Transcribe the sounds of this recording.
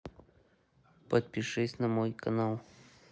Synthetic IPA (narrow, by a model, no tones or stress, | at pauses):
pət̪̚pʲɪʂɨsʲnɐmojkɐnalˠ